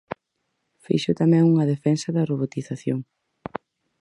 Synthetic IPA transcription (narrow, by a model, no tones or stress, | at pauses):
fḭʃʊt̪amɛ̃ŋuŋɐðefɛnsɐðɐroβot̪iθaθjoŋ